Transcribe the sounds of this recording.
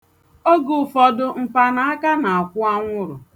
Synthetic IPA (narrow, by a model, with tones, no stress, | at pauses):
o˦ɡʊ˨fɔ˨dʊ˦m̩˨pa˦na˦a˦ka˦na˨a˨kʷʊ˦a˦ŋʷʊ˦ɾʊ˨